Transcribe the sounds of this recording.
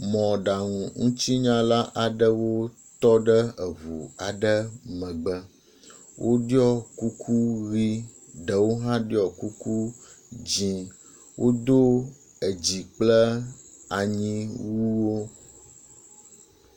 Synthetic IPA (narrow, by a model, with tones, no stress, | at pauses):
mɔ̃˨ɖa˨ŋũ˨ŋũ˦t͡ɕi˦ɲã˦la˦ʔa˨ɖə˦wo˦ | t̪ɔ˦ɖə˦ə˨vṵ˨a˨ɖə˦mə̃˨ɡ͡bə˦ | wʔo˦ɖi˦ɔ˦ku˦kʰu˦ɣi˦ | ɖə˨wo˦ɦã˦ɖi˦ɔ˨ku˦ku˦ | d͡ʑĩ˨˦ | wʔo˦d̪o˦ | ə˨d͡ʑi˨k͡plə˦ | a˨ɲĩ˦wu˦wo˦